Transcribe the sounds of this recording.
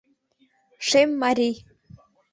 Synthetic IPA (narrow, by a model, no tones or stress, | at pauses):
ʂejmːaɾij